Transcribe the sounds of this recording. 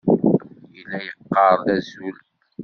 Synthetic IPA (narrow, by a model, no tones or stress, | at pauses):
jəlːæjəqːɑɾˤðæzul